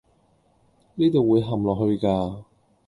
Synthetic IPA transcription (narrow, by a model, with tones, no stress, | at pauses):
niː˥t̪o˨˩wuː˨˧jɦɐ˨mlɔː˨k̚ɦɵ˧ɥkaː˧